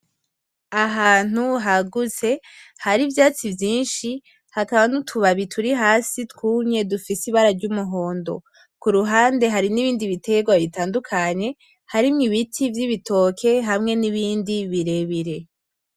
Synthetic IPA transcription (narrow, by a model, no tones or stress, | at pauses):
aɦaːn̥uɦaɡuze̞ | haɾivjaːt͡sivjiːnʃi | hakaβanutʰuβaβitʰuɾiɦaːsitkuːmɲe̞dufisiβaɾaɾɟumuɦo̞ːndo̞̰ | kuɾuɦaːnde̞ɦaɾiniβiːndiβite̞ɡwaβitaːndukʰaɲe̞ | haɾimŋiβitʰivjiβito̞kʰe̞ɦamŋe̞niβiːndiβiɾe̞βiɾe̞